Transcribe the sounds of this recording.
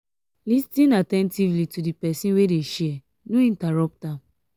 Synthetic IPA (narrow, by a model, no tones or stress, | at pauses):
listĩnatɛ̃ntivlitudipɛsĩnwedeʃiɛ | nũĩntaɹɔp̚ta